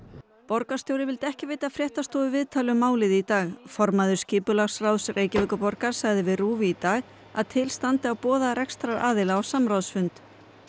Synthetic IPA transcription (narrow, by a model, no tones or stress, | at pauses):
pɔɾkḁst̪jowɾɪvɪlt̪ɛhcɪvejt̪afɾjɛht̪ast̪ɔːðʏvɪðt̪ʰaːlʏmaːwlɪðit̪aːɣfɔɾmaðʏ̥scɪːpʏlaɣsrawðsreːjcɪvɛːkʏpɔɾkaɾ̥saɣðɪvɪðruːvɪit̪aːɣ | a̰ðt̪ʰɪlst̪ant̪ɪawpɔːðaɾɛkst̪ɾaɾaːðɪlaɔsamɾawðsfʏnt̪